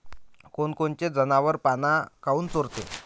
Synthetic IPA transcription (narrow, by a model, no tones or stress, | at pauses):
konkont͡ɕed͡zənaʋəɾpanakauːnt͡soɾt̪ḛ